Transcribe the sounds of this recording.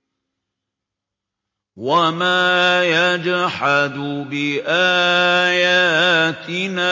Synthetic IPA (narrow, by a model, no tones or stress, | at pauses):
wamaːjad͡ʒħad̪ʊbɪʔaːjaːt̪ɪnaː